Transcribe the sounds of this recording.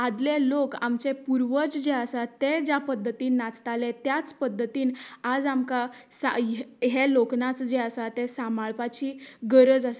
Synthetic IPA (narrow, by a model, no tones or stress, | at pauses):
ad̪leloka̰mt͡ɕepuɾʋət͡sd͡ʑeəsat̪ed͡ʑapəd̪ʱːət̪iːnːat͡st̪alẽt̪jat͡spəd̪ʱːət̪iːnad͡zamka | sa̰ɦeloknat͡sd͡ʑeəsat̪esamaɭpat͡ɕiːɡəɾəd͡zase̥